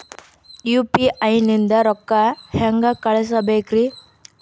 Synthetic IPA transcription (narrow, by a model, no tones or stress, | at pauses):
juːpiʔɐjnind̪ɐɾɔkːɐhɛŋɡɐkɐɭɛs̬ɐbeːkɾi